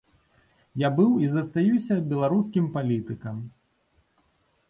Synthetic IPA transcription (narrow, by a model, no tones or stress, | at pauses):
jabɨwizɐst̪ajusʲɐbʲɛlˠaɾuskʲimpalʲit̪ɨkɐm